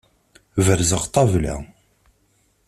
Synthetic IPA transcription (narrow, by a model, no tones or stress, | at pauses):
vəɾzəʁt̪ˤɑvlæ̰